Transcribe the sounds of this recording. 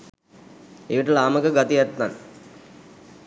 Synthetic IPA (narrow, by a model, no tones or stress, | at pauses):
eʋiʈəlaːməkəɡat̪ijat̪ːan